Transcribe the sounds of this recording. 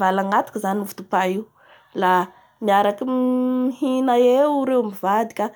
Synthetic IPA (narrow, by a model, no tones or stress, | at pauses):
valaŋɡat̪u̥kəzanuvu̥t̪upaiu | la | miaɾakiihinaewɾewmivad̪ikʲa